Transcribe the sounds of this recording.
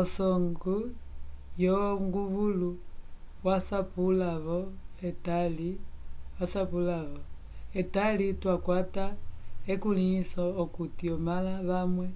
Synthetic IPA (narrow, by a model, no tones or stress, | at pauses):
ɔsɔŋɡu | joŋɡuβulu | wasapulaβɔetaliwasapulaβɔ | etalitwakwataekulisɔːkutiɔmalaβamwɛ